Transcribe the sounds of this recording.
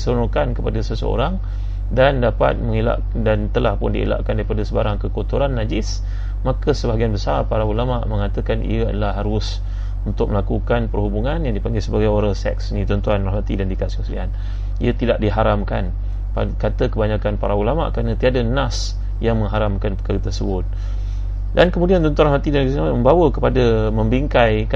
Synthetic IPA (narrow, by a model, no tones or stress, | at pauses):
səɾunukankəpadasəsə̰o̰ɾaŋ | dandapa̰t̪̚məŋela̰ʔ | dant̪əlahpʊndiḛla̰ʔkandaɾipadasəbaɾaŋkəkot̪uɾanːad͡ʒɪs | makəsəbaɦaɡianbəsarpaɾaulamaʔməŋat̪əkanḭjəa̰dalahɦaɾʊs | unt̪ʊk̚məlakukanpərhubuŋanjaŋdipaŋɡɪlsəbaɡajoɾaŋsɛ̰ksnit̪ɔnt̪uanalat̪ḭdandikaskəslḭa̰n | ḭət̪idaʔdiɦaɾamkan | pakat̪əkəbaɲakanpaɾaulama̰ʔkəɾanə̃t̪iadənas | jaŋməŋɦaɾamkanpəkaɾət̪əsəbʊt̪̚ | dankəmudiant̪ɔnt̪uanrahwat̪idanks | məmbawəkəpadəməmbiŋkajka